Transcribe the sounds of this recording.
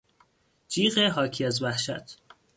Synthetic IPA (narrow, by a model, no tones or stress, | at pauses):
d͡ʒiːɢeɦɒːcʰiæzvæhʃæ̰t̪ʰ